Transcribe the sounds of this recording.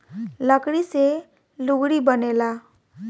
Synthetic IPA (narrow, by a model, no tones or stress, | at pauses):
lʌkɽise | luɡɽibʌnela